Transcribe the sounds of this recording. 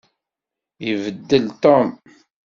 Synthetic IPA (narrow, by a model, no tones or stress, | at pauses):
jəvəd̪ːəlt̪om